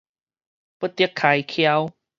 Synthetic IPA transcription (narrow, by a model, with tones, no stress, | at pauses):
pu˦˥t̪ːi˦əkʰːa˨˧˩jkʰja˦w